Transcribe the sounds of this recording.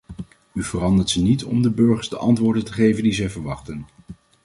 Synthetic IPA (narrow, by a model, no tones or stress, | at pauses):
yvərɑndəɹtsənitɔmdəbɵɹχəɹzdəʔɑntʋʊːɹdəntəχejvəndizɛjvəɹʋɑχtən